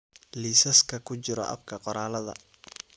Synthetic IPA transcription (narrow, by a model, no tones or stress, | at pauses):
liːsɐskʰɐkʰʊt͡ʃɪɾɔ̰ʔɐ̰bkʰɐqɔɾaːlɐðɐ̰